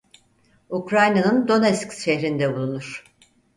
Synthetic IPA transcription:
ukɾajnanɯnd̪o̞nɛskʃɛɦɾind̪ɛbulˠunuɾ̥

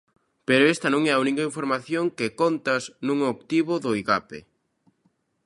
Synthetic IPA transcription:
peɾoest̪ɐnõŋɛaunikaiɱfoɾmaθjoŋkekont̪ɐsnũŋokt̪iβʊðʊiɣapḛ

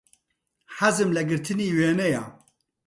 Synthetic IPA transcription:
ħazɨmlɛɡɨɾt̪ʰɨniːweːnɛja̰ː

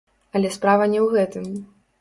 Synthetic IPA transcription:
ɐlʲɛspɾavɐnʲɛwɣɛt̪ɨm

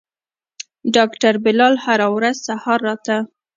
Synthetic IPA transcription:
ɖɑkʈaɾbɪlɑlhaɾawɾazsahɑɾːɑt̪a

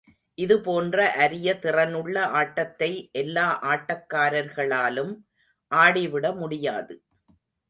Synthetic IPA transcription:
ʔɪðɯpoːndrɐʔɐɾɪjɐt̪ɪrɐnɯɭːɐʔaːʈːɐt̪ːɐɪʔɛlːaːʔaːʈːɐkːaːɾɐɾɣɐɭaːlɯm | ʔaːɽɪʋɪɽɐmʊɽɪjaːðɯ

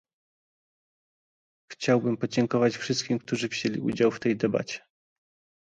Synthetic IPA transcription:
xt͡ɕawbɘmpɔd͡ʑɛŋkɔvat͡ɕfʂɘst̪̚kʲimkt̪uʐɘvʑelʲḭṵd͡ʑawft̪ɛjd̪ɛba̰t͡ɕɛ̥

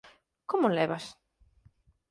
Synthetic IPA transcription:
komoleβas

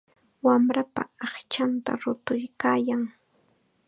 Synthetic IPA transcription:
wamɾapa̰ɑχt͡ʃant̪a̰ɾʊt̪ʊjkaːjaŋ

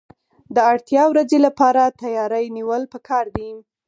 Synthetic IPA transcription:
d̪əaɽt̪jɑwɾazelapɑɾat̪ajɑɾəjniwəlpəkʰɑɾd̪i

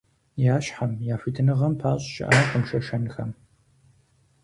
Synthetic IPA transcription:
jaːɕħamjaːfitʰɨnɨʁɐmpʰaːɕʼʃɪ̰ʔaːqəmʃɐʃɐnɨxɐm

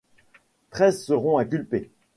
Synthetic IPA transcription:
t̪χɛzsəʁɔ̃ɛ̃kʲylpe

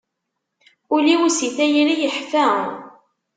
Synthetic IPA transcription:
ʊliwisiθæjɾijəħfæ

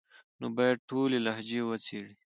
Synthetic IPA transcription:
nobajad̪̚ʈʰolelahd͡ʒewət͡sʰeɽi

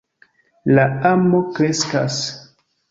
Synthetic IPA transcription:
laamo̞kɾe̞ska̰s

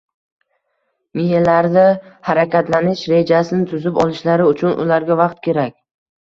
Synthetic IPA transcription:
mihelaɾd̪ɪhaɾakʲat̪lanɪʃɾe̞d͡ʒasɪnɪt̪ʰʊzɪpɒlˠɪʃlaɾɪʊt͡ʃʰʊnʔʊ̰laɾɡʲavɑqt̪̚kʲe̞ɾakʲ

